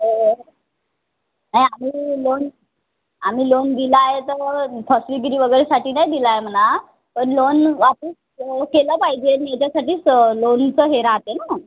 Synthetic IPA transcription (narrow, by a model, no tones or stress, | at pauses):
ɦoɦ | najamiːlon | am̤iːlond̪ilajet̪əɾpʰəsliɡɾiːʋəɡəɾesaʈiːnajd̪ilajem̤əna | pəɳlonʋapəs | keləpaɦid͡ʑemjat͡ɕasaʈiːt͡slont͡səɦeɾaɦt̪ena